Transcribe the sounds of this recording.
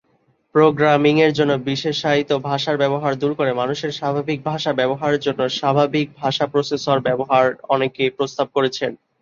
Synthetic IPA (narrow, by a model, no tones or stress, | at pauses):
pɾoɡɾamiŋeɾd͡ʑonːobiʃeʃait̪obʱaʃaɾbɛboɦaɾd̪uɾkoɾemanuʃeɾʃabʱabik̚bʱaʃabɛboɦaɾd͡ʑonːoʃabʱabik̚bʱaʃapɾosesoɾbɛboɦaɾɔnekepɾost̪ab̚koɾet͡ɕʰen